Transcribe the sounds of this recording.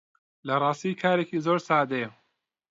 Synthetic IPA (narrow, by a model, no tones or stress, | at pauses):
lɐrˤɑːst̪iːkʰaːɾekiːzoɾsaːd̪ej